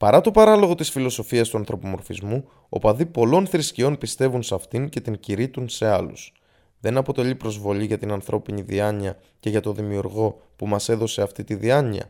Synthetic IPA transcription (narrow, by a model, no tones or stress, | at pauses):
pɐɾɐt̪o̞pɐɾɐlo̞ɣo̞t̪isfilo̞so̞fiɐst̪uɐnθɾopomo̞ɾfizmu | o̰pɐðipo̞lo̞nθɾiscio̞npist̪e̞vunsɐft̪iɲce̞t̪iɲciɾit̪unse̞ɐlṵs | ðe̞nɐpo̞t̪e̞ʎipɾo̞zvo̞ʎiʝɐt̪inɐnθɾo̞piɲiðiɐɲiɐ | ce̞ʝɐt̪o̞ðimiuɾɣo̞ | pumɐse̞ðo̞se̞ɐft̪it̪iðiɐɲiɐ̰